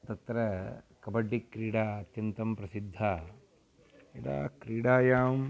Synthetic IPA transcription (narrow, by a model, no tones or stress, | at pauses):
t̪ɐt̪ɾɐkɐbɐɖːikːɾiːɽaːɐt̪jɐnt̪ɐmpɾɐsid̪ʱːaː | et̪a̰ːkɾiːɽaːjaːm